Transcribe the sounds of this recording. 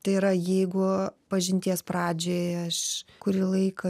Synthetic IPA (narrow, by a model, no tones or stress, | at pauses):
t̪ɐɪɪɾɐjɛɪɡʊpɐʒʲɪnʲt̪ʲiɛspɾɑːd͡ʒʲoːjɐʃkʊɾʲɪlˠɐɪkɐ